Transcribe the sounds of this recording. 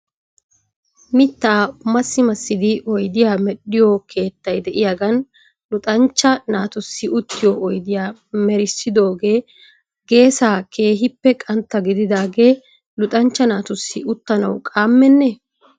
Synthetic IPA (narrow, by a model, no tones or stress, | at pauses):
mɪt̪ːaːmɐsːɪmɐsːɪd̪ɪɔjd̪ɪjaːmɛɗːɪjokʰe̞ːt̪ːɐjd̪ɛʔɪjaɡɐn | lʊt̪ʼɐnt͡ʃːɐnaːt̪ʊsːɪʊt̪ːɪjoɔjd̪ɪjaːmɛɾɪsːɪd̪o̞ːɡe̞ː | ɡe̞ːsaːkʰe̞ːɦɪpːɛkʼɐnt̪ːɐɡɪd̪ɪd̪aːɡe̞ː | lʊt̪ʼɐnt͡ʃːɐnaːt̪ʊsːɪʊt̪ːɐnɐwkʼaːmːɛnːɛ